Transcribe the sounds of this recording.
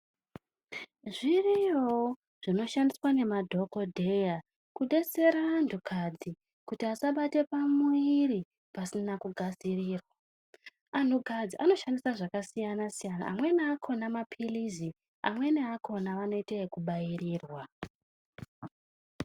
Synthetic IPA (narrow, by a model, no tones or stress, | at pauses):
ʐirijo | ʐ̥ino̞ʃandiswane̞madʱo̞ko̞dʱe̞ja | kuɗe̞se̞ɾaːndukʰad͡zi | kutiasaɓate̞pamuiɾi | pasinakuɡʱaziriːrwa | an̤uɡʱad͡ziʔano̞ʃandisaʐakasijanasijana̰ːmwe̞neakʰo̞namapʰilizi | a̰mwe̞neakʰo̞naʋano̞iteekuɓajiriːrwa